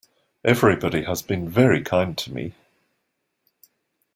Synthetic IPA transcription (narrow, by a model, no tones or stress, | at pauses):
ʔɛvɹibɒɾiəzbĩnvɛɹikʰãɪ̃ntʰəmḭ